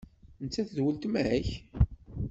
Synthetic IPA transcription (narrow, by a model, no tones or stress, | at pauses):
nt͡sːæθðwəlt̪mʕæç